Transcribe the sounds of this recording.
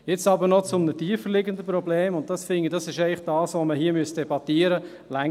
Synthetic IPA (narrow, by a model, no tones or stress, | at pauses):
jɪt͡sɑbəɾnɔt͡sʊmnətiːəfərlɪɡəndəpɾɔbleːmʊnt̚d̥ɑsfɪŋid̥ɑsɪʃɛɪlɪχd̥ɑːsʋoməɦiːəmyəsd̥ɛbɑtiːəɾə | læŋ